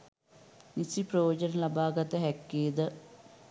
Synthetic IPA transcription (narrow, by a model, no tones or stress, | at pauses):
nisiprɐjoːd͡ʒɐnɐlɐbaːɡɐt̪əɦɛkːeːd̪ə